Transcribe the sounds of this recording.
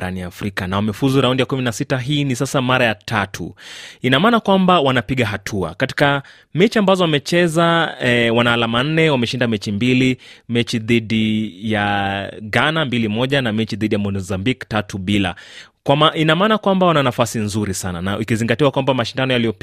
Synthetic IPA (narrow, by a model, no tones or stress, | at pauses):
ɾa̰niafɾikanawamɛfuzuɾaundijakuminasitaɦiːnisasamaɾajatʰatʰṵinamaːnakwambawanapiɠaɦatʰua̰kati̥ka | mɛt͡ʃiambazɔwamɛt͡ʃɛzawanahːlaman̩nɛwamɛʃindamɛt͡ʃimbilimɛt͡ʃiðiɗijaɡanambilimɔʄanamɛt͡ʃiðiɗijamɔzambiktatuɓila̰ | kwamainamaːnakwambawananafasinzuɾisana̰na̰ʔikiziŋɡatiwakwambamaʃindanɔjalijɔp